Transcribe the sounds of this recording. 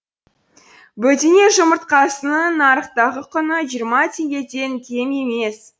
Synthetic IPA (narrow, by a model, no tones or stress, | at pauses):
bɵt̪ene̞ʒəməɾt̪̚qɑsənənɑɾəqt̪ɑʁəqʰʏnəʒijəɾmɑt̪ʰe̞ŋɡʲe̞d̪e̞nkʲʰe̞me̞me̞s